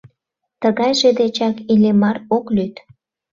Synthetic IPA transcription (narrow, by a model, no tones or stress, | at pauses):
t̪əɣɑjʒed̪et͡ɕɑkilemɑroklyt̪